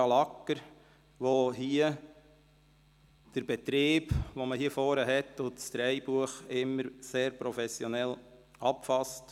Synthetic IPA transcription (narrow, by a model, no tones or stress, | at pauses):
ɑlɑkːəɾ | ʋoɦiə | d̥əɾb̥ɛt̪ɾeːb̥ʋoməhiəfɔːɾəɦɛtːʊtsd̥̪ɾɛɪb̥uəχɪmːəɾseːɾpɾɔfɛsjɔnɛl | ɑpfɑst